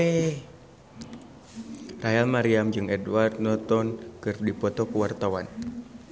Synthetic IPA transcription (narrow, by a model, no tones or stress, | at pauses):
e | rajalmaɾiamd͡ʒɨŋɛdwart̪̚nɔt̪ɔnkɨrdipɔt̪ɔkəwart̪awan